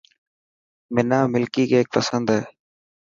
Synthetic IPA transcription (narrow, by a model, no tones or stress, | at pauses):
mɪnaːmɪlkiːkeːeːk̚pəsənd̪ɦɛː